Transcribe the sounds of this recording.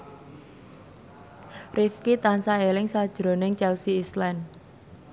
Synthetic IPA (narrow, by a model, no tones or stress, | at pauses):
rifkit̪ansaelɪŋsad̥ʒ̥ɾonɪŋt͡ʃɛlsiislɛn